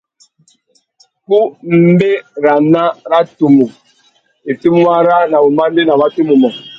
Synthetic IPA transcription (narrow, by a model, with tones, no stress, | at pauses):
ku˦m̩˦be˦ɾa˨na˦ɾa˦tu˨mu˨ | e˨ti˦mu˦ma˦ɾa˦na˨bu˨ma˦n˦de˦na˨ba˦tu˦mu˨mɔ˨